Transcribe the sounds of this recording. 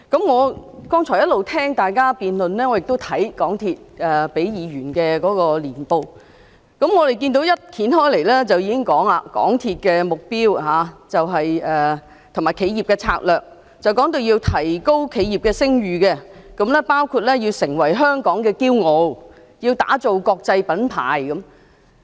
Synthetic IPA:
kɐ˨˥mŋɔː˨˧kɔː˥ŋt͡ʃʰɔː˨˩jɐ˥t̚lo˨wt̪ʰɛː˥ŋt̪aː˨jkaː˥piː˨nlɵ˨nlɛː˥ŋɔː˨˧jɪ˨k̚t̪o˥wt̪ʰɐ˨˥jkɔː˨˥ŋt̪ʰiː˧t̚ʔɛː˨pe˨˥jjiː˨˧ɥyː˨˩nkɛː˧kɔː˨˥kɔː˧liː˨˩npo˧w | kɐ˨˥mŋɔː˨˧e˨˩jk̬iː˧nt̪o˨˥wjɐ˥t̚t̪ʰiː˨˥nɦɔː˥jle˨˩jlɛ˥t͡sɐ˨wjiː˨˧kɪ˥ŋkɔː˨˥ŋaː˧kɔ̰ː˨˥ŋt̪ʰiː˧t̚kɛː˧mʊ˨k̚piː˥wɦaː˨˧t͡sɐ˨wɦɐ˨jɛː˨ | t̪ʰmaː˨˩jkʰe˨˧˥ji˨p̚kɛː˧t͡sʰa̰ː˧k̚lœː˨k̚ | t͡sɐ˨wkɔː˨˥ŋt̪o˧wjiː˧wt̪ʰɐ˨˩jko˥wkʰe˨˧jiː˨˩p̚kɛː˧sɪ˥ŋjyː˨kɛ˧kɐ˨˥mlɛː˥paː˥wkʰuː˧t̚lɛː˥ji˧wsɪ˨˩ŋwɐ˨˩jɦœː˥ŋkɔː˨˥ŋkɛː˧kiː˥wŋo˨˧w | ji˧wt̪a̰ː˨˥t͡so˨wkɔː˧k̚t͡sɐ˧jpɐ˨˥npʰa̰ː˨jkɐ˨˦m

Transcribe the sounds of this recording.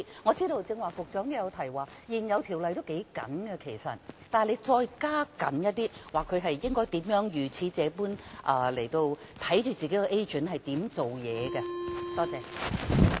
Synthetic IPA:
ŋɔː˨˧t͡siː˥ɾo˧wt͡sɪ˧ŋwaː˨fʊ˨k̚t͡ʃœː˨˥ŋkɛ˧jɐ˨˧wt̪ʰɐ˨˩jwaː˨jiː˨˩njɐ˨˧wt̪ʰi˨˩wlɐ˨jt̪o˥wke˨˥jkɐ̰˨˥nɡɐ˧kʰe˨˩jsɐ̰˨t̚t̪aː˨le˨˧jt͡sɔː˧jkaː˥kɐ̰˨˥njɐ˥t̚t̪iː˥waː˨˩kʰːɵ˨˧ɥɦɐ˨jjɪ˥ŋkɔː˥jt̪iː˨˥mjœː˨˥ŋjyː˨˩t͡sʰiː˨˧t͡sɛː˨˧puː˥nʔɐː˨˩le˨˩jt̪o˧wt̪ʰɐ˨˥jt͡ʃyː˨˩t͡siː˨ke˨˥kɛ˧ʔe˥jt͡ʃɵ˨˥nɦɐ˨jt̪iː˨˥mt͡so˨wjɛː˨˧ɡɐ˧t̪ɔː˥t͡sɛː˧

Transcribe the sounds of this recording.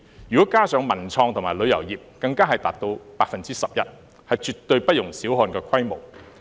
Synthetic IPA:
jyː˨kɔː˨˥kaː˥sœː˨˥ŋmɐ˨˩nt͡sʰɔː˧ŋt̪ʰʊ˨˩ŋmaː˨˩lɵ˨˧ɥjɐ˨˩wjiː˨p̚kɐ˧ŋkaː˥ɦɐ˨jt̪a̰ː˨˩p̚t̪o˧wpaː˧k̚fɐ˨nt͡siː˥sɐ˨p̚jɐ˥t̚ | hɐ˨jt͡ʃyː˨t̚t̪ɵ˧ɥpɐ˥t̚jʊ˨˩ŋsiː˨˥wɦɔː˧nkɛː˧kʰwɐ˥jmo̰˨˩w

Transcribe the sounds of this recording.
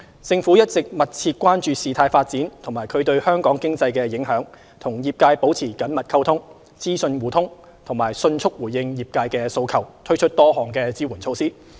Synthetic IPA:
t͡sɪ˧ŋfuː˨˥jɐ˥t̚t͡sɪ˨k̚mɐ˨t̚t͡sʰiː˧t̚kʷwaː˥nt͡ʃyː˧siː˨t̪ʰaː˧jfaː˧t̚t͡siː˨˥nt̪ʰʊ˨˩ŋmaː˨˩jkʰɵ˨˧ɥt̪ɵ˧ɥhœː˥ŋkɔː˨˥ŋkɪ˥ŋt͡sɐ˧jkɛː˧jɪ˨˥ŋɦœː˨˥ŋ | t̪ʰʊ˨˩ŋjiː˨p̚kaː˧jpo˨˥wt͡sʰiː˨˩kɐ˨˥nmɐ˨t̚kʰɐ˥wt̪ʰʊ˥ŋ | t͡siː˥sɵ˧nwuː˨˩t̪ʰʊ˥ŋ | t̪ʰʊ˨˩ŋmaː˨˩jsɵ˧nt͡sʰʊ˥k̚wuː˨˩jːɪ˧ŋjiː˨p̚kaː˧jkɛː˧so˧wkʰɐ˨˩wt̪ʰɵ˥ɥt͡ʃʰɵ˥t̚t̪ɔː˥ɦɔː˨˩ŋkɛː˧t͡siː˥wuː˨˩nt͡sʰo˧wsiː˥

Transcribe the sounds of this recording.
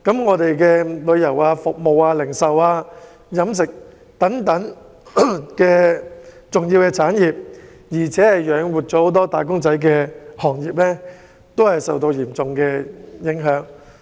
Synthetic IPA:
kɐ˨˥mŋɔː˨˧t̪e˨jkɛː˧lɵ˨˧ɥjɐ˨˩waː˧fʊ˨k̚mo˨waː˧lɪ˨˩ŋsɐ˨waː˧ | jɐ˨˥msɪ˨k̚ | t̪ɐ˨˥ŋt̪ɐ˨˥ŋ | kɛː˧t͡sʊ˨ŋjiː˧wkɛː˧t͡sʰaː˨˥njiː˨˩p̚ | jiː˨˩t͡sʰɛː˨˥hɐ˨jjœː˨˥ŋwuː˨t̚t͡sɔː˨˥ho˨˥wt̪ɔː˥t̪aː˨˩jkʊ˥ŋt͡sɐ˨˥jk̬ɛː˧hɔː˨˩ŋjiː˨p̚lɛː˥ | t̪o˥whɐ˨jsɐ˨wt̪o˧wjiː˨˩mt͡sʊ˨ŋkɛː˧jɪ˨˥ŋɦœː˨˥ŋ

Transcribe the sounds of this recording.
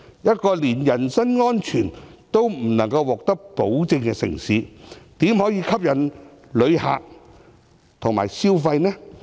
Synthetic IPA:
jɐ˥t̚kɔː˧liː˨˩njɐ˨˩nsɐ˥nŋɔː˥nt͡ʃʰyː˨˩nt̪o˥wm̩˨˩nɐ˨˩ŋkɐ˧wːɔː˨k̚t̪ɐ˥k̚po˨˥wt͡sɪ˧ŋkɛ˧sɪ̰˨˩ŋsiː˨˥t̪iː˨˥mhɔː˨˥jiː˨˧kʰɐ˥p̚jɐ˨˩n | lɵ˨˧ɥha̰ː˨k̚ | t̪ʰʊ˨˩ŋma̰ː˨˩jsiː˥wfɐ˧jnɛː˥

